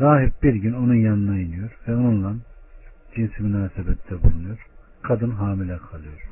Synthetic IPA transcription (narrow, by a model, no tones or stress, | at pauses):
ɾaːɦip̚biɾɡynonujɑnnajɯnɯjoɾvɛonunlˠɑnd͡ʒinsmynaːsɛbɛt̪ʰd̪ɛbulˠunujoɾ | kʰɑd̪ɯnɦaːmilɛqʰɑlˠɯjoɾ